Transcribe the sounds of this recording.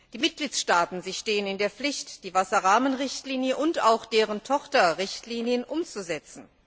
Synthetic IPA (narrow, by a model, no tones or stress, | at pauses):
d̥iːmɪt̚ɡ̥liːsʃtaːtn̩ziːʃteːənɪndeːɐflɪçtd̥iːvasɐʁaːmənʁɪçtliːnjəʔʊntaʊxd̥eːʁəntʰɔχtɐʁɪçtliːnjənʔʊmt͡suzɛt͡sn̩